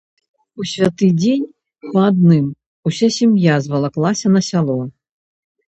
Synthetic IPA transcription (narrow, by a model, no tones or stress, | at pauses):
usʲvʲat̪ɨd͡zʲenʲ | pɐad̪̚nɨm | usʲasʲimjazvɐlˠaklˠasʲɐnɐsʲalˠɔ